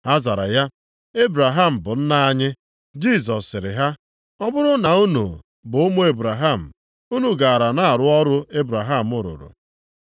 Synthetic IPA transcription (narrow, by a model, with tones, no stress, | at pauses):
a˦za˨ɾa̰˨ja˦ | e˦bɾa˨ɦa˦m̩˨bʊ˨n̩˦na˦a˦ɲɪ˦ | d͡ʒi˦˨s̬ɔ˨sːɪ˨ɾɪ̰˨ɦa˦ | ɔ˦bʊ˦ɾʊ˦na˨u˦nṵ˨ | bʊ˨ʊ˦mʊ˦e˦bɾa˨ɦa˦˨m̩˨ | u˦nu˨ɡa˨a˨ɾa˨na˦a˨ɾʊ˦ɔ˦ɾʊ˦e˦bɾa˨ɦa˦˨m̩˦ʊ˨ɾʊ̰˨ɾʊ̰˨